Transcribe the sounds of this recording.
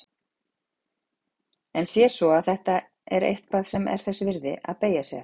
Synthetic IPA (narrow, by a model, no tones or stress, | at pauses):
ɛnsjɛ̥sɔaðθɛht̪a | ɛɾḛjht̪̚paːðsɛmɛ̰ɾ̥θɛsːʏvɪɾðɪ̰a̰ðpeːjasjɛ̰